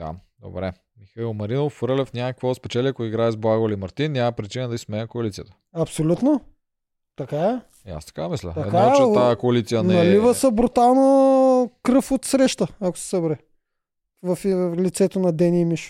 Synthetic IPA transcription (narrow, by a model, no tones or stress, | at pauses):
d̪̥a̰d̪o̰bɾɛ | mixɐilˠmɐɾinofɾəlɛfnʲamɐkɐkvɔspɛt͡ʃɛliɐkoiɡɾaɛzblˠaɡolimɐɾt̪inːjamɐpɾit͡ʃinəd̪ɐismɛnəkoɐlit̪ijət̪ə̥ɐpsolʲut̪no | t̪ɐkaɛ | a̰st̪ɐ̥kamislʲə̰t̪ɐɛ̰dkaaɛt͡ʃt̪ajəkoɐlit̪sijənnɐlivəsəbɾut̪alˠno | kɾɤfot̪sɾɛʃt̪əɐkʊ̥sɛ̥sɐbɾɛ | vɐflit̪sɛt̪onɐd̪ɛnimiʃ